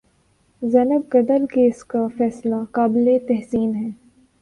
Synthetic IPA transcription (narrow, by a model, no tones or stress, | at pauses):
zɛnəb̚ɡɐd̪əlkeːskafɛːslakaːbɪlet̪ɛɦsiːnɦɛː